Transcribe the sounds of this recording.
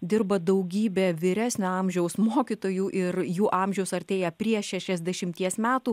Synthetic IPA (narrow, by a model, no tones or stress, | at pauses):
d̪ʲɪɾbɐd̪ɐʊɡʲiːbʲeːʋʲɪɾʲæːsʲnʲoɑmʲʒʲɛʊsmoːkʲit̪oːjuːʔɪɾjuːʔɑːmʲʒʲɛʊsɐɾʲt̪ʲeːjɛpʲɾʲiɛʃʲæʃʲɛzʲd̪ʲɛʃʲɪmʲt̪ʲiɛsmʲæːt̪uː